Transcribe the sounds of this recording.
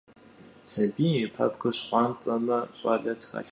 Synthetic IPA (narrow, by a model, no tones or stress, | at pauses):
sɐbiːipʰɐ̰pɡɨɕχʷɑːntʼɐmɐɕʼaːɮɐtʰxɐ̰ɬ